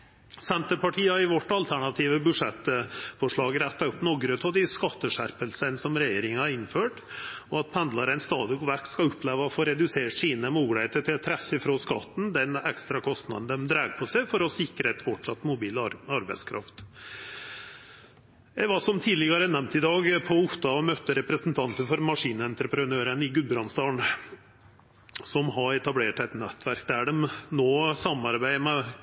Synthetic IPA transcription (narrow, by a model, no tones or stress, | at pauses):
sɛnt̪əɾpɑʈʰiːɑɾɪʋɔʈːɑlt̪ʰæɳɑt̪ʰiːʋəbʉʂɛt̪fɔʂɭɑːɡɾæt̪ːɑʉpːnɔɡɾət̪ʰɔd̪ɪskɑt̪ːəʂæɾpəlsənsɔmɾɛjeːɾɪŋhɑɾɪnføːʈ | ɔɑt̪̚pʰænd̪lɑɾæɪnst̪ɑːd̪əʋækːskɑʉpːleːʋəɔfoːɾɛd̪ʉseːʈʂiːnəmuːɡɽeːt̪əʈ̪ʰɪlt̪ʰɾæçəfɾoːskɑ̰t̪ːn̩d̪ɛnɛkst̪ɾɑkʰɔst̪nɑ̰d̪n̩d̪ɛmd̪ɾæːɡpʰɔsæɪfɔɾɔsɪkɾəɛt̪fɔʈʂɑt̪ːmʊbiːlɑɾbæɪskʰɾɑ̰ft̪ | jæɪʋɑʂɔmt̪ʰiːd̪lɪɡɑɾənɛmt̪ɪd̪ɑːɡpʰɔʊt̪ːɑɔmœt̪ːəɾɛpɾəsnt̪ʰɑnt̪əfɔɾmɑʂiːnəɛnt̪ɾəpɾənøːɾənɪɡʉbɾɑnst̪ɑːɳ | sɔmɦɑɛt̪ɑbleːʈɛt̪nɛt̪ːʋæɾkd̪æɖɛmnoːsɑmɑɾbæɪmɛ